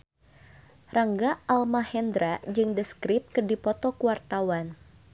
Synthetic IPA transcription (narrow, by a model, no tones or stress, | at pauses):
raŋɡaalmahɛnd̪ɾad͡ʒɨŋdəskɾɪp̚kərdipɔt̪ɔkuwart̪awan